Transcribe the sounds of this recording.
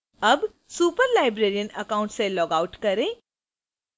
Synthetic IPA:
ɐb | suːpəɾlaːɪbɾeːɾijənɐkaːʊ̃ɳʈselɔːɡaːʊʈkɐɾẽː

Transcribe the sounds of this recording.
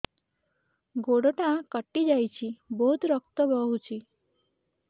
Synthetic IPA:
ɡoɽʈãkəʈːid͡ʑajt͡ɕiboɦut̪ɾək̚t̪əbəɦut͡ɕiː

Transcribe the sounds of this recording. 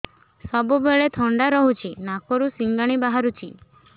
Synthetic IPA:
sɔbubeɭet̪ʰɔɳɖaɾɔɦut͡ʃʰinakoɾusiŋɡaɽ̃ibaɦaɾut͡ʃʰi

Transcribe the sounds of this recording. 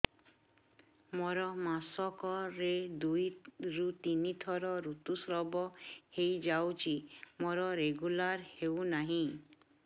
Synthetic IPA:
moɾɔmasɔkɔɾed̪ujɾut̪init̪ʰɔɾɔɾut̪usɾɔbɔhejd͡ʒawt͡ʃʰimoɾɔɾeɡulaɾhewnaɦĩ

